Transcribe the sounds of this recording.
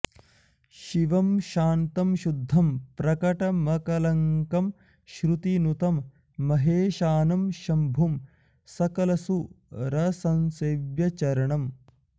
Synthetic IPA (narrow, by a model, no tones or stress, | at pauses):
ʃiʋɐmʃaːnt̪ɐmʃud̪ʱːɐmpɾɐkɐʈɐmɐkɐlɐŋkɐm | ʃɾut̪inut̪ɐmː | ɐɦeːʃaːnɐmʃɐmbʱum | sɐkɐlɐsu | ɾɐsɐnseːʋjɐt͡ʃɐɾɐɳɐm